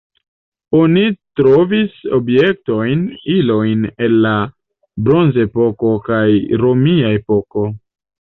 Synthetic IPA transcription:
o̞nitɾo̞viso̞̰bje̞k̚to̞jnilo̞jne̞nːa | bɾo̞nze̞po̞ko̞kajɾo̞miae̞po̞ko̞

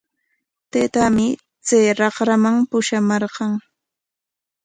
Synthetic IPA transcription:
t̪et̪amɪ | t͡sajɾɑχɾamaŋpʊʃamɑɾqɑŋ

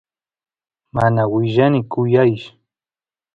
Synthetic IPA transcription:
manawɪʒanɪkʊjajʃ

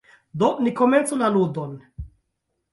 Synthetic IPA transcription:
d̪onikoment͡solalud̪on

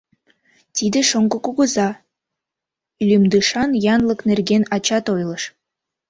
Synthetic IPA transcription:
t̪id̪ĕʃoŋɡokuɣə̆zɑ | ylʲymd̪ɯʃɑnjɑnlˠə̆knerɡenɑt͡ɕɑt̪ojlˠəʃ

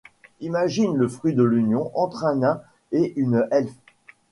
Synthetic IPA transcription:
imaʒinləfχɥid̪əlynjɔ̃ʔɑ̃t̪χɛ̃nɛ̃ | eʔynɛlf

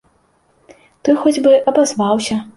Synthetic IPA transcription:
t̪ɨxɔd͡zʲbɨʔɐbazvawsʲɐ

